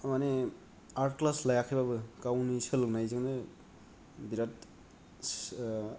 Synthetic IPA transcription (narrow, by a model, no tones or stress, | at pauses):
mane | aɾt̚klaslajakʰibabɯkawnisɯlknajzɯŋdɯ | biɾat̚